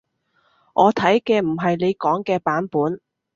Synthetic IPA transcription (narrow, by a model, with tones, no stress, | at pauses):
ʔɔː˨˧t̪ʰɐ˨˥jkɛː˧m̩˨˩ɦɐ˨jle˨˧jkɔː˨˥ŋkɛː˧paː˨˥npuː˨˥n